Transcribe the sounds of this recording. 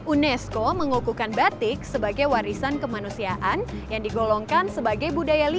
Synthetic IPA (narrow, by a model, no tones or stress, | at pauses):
ʔunɛskoməŋukukanbat̪ɪk̚səbaɡajwaɾisankəmanusiaʔanjaŋdiɡolɔŋkansəbaɡajbudajali